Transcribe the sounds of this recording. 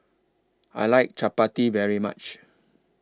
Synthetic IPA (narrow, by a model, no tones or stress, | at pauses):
a̰jlaɪk̚t͡ʃʰapativɛɹima̰t͡ʃ